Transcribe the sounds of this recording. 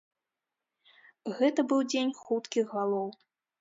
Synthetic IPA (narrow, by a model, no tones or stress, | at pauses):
ɣɛt̪ɐbɨwd͡zʲenʲxut̪kʲiɣːalˠɔw